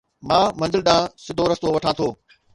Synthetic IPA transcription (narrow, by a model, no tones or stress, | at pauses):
mãːmɐ̃nzɪlɗ̪ãːsɪd̪ʱoɾɐst̪oʋɐʈʰãːt̪ʰoː